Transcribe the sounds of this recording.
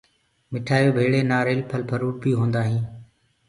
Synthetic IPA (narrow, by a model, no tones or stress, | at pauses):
mɪʈʰaːjoːbʱeːɽeːnaːɾeːlpʰəlpʰəɾuːʈ̚biːɦõːnd̪aːɦĩː